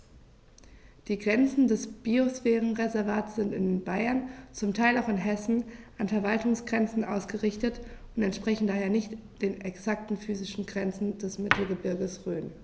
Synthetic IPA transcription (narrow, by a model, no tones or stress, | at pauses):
d̥iːɡʁɛnt͡sn̩dɛsb̥iosfɛːʁən̩ʁezɛɐvaːtsz̥ɪntɪnbaɪɐnt͡sʊmtʰaɪlaʊxɪnɦɛsn̩ʔanfɛɐvaltʊŋsɡ̥ʁɛnt͡sn̩ʔa̰ʊsɡ̥əʁɪçtətʔʊntɛntʃpʁ̥ɛçn̩daːheːɐnɪçt | d̥eːnɛksak̚tn̩fyːzɪʃn̩ɡʁɛnt͡sn̩d̥ɛsmɪtʰl̩ɡəbɪɐɡəsʁøːn